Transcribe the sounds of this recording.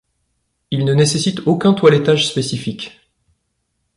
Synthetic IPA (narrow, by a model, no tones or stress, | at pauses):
ilnənesesit̪okʲɛ̃t̪walɛt̪aʒspesifikʲ